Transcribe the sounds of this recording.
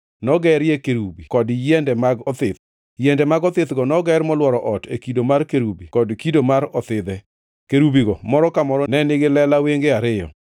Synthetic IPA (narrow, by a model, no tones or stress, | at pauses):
nɔɡɛɾjekeɾubikɔdjɛndɛmaɡɔt̪ɪt̪ | jɛndɛmaɡɔt̪ɪt̪ɡɔnɔɡɛɾmɔlwɔɾɔʔɔtekidomarkeɾubikɔdkidomaɾɔt̪ɪd̪ɛ | keɾubiɡɔmɔɾɔkamɔɾɔnɛnɪɡɪlɛlaweŋɡeaɾɪjɔ̰